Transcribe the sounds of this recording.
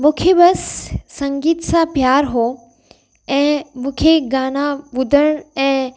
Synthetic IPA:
mũːkʰebɐsːɐ̃ŋɡiːt̪sãpjaːɾɦoː | ɛ̃ːmũːkʰeɡaːñabʊd̪ʱəɽ̃ɛ̃ː

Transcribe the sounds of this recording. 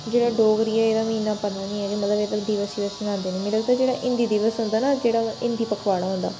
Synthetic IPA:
d͡ʒeːɽaːɖoːɡɾiːaeːɾaːmĩːnaːpəɾnaːnĩːɛːd͡ʒeːmət̪ləbeːd̪əd̪iʋəsiʋəsmənãːnd̪eːnẽːmẽːləɡ̚d̪aːd͡ʒeːɽaːʔɪ̃nd̪iːd̪ɪʋəsɦʊnd̪aːnaːd͡ʒeːɽaːɪ̃nd̪iːpəkʰʋaːɽ̃aːɦʊ̃nd̪a̰ː

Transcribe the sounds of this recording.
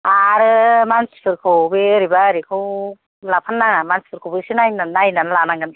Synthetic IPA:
aɾɯmansi̥pʰɯɾkʰɯwbeɾibaɾikʰɯw | lapʰanːaŋamansi̥pʰɯɾkʰowbesinajnanajnanlanaŋɡɯn

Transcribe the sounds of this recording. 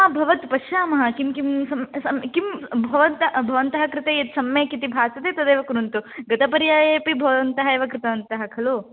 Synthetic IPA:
aːbʱɐʋɐt̪pɐʃjaːmɐɦɐkimkimsɐmsɐmkimbʱɐʋɐnt̪ɐbʱɐʋɐnt̪ɐɦɐkɾɪt̪eːjɐt̪sɐmjeːkit̪ibʱaːsɐt̪eːt̪ɐd̪eːʋɐkuɾunt̪uɡɐt̪ɐpɐɾijaːjeːpibʱɐʋɐnt̪ɐɦɐeːʋɐkɾɪt̪ɐʋɐnt̪ɐɦɐkʰɐloː

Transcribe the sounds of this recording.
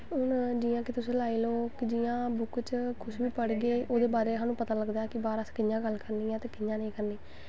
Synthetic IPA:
ɦʊnd͡ʒiːãːkɪt̪ʊsẽːlaːiːloːkɪd͡ʒiːãːbʊkt͡ʃkʰʊʃʋiːpəɽɡeːʔoːd̪eːbaːɾeːɦaːnũːpət̪aːləɡd̪aːkɪbaːɾəskɪɲjãːɡəlkəɾniːãːt̪eːkɪɲãːnəĩːkəɾniː

